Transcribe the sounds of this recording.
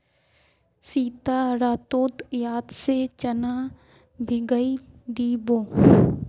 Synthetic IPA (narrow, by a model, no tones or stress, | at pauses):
siːt̪aɾaːt̪oːt̪jaːd̪set͡ʃəna | bʱiɡəid̪iːboː